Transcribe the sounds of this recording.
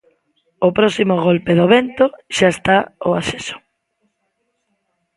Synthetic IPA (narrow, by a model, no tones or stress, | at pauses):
opɾɔsimoɣolpeðoβent̪oʃaest̪aoasesʊ̥